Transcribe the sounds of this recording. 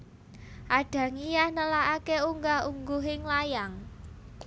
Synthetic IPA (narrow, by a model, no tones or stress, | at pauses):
ʔaɖ̥ä̤ŋijahnəlaakeuŋɡauŋɡuɦɪŋlajaŋ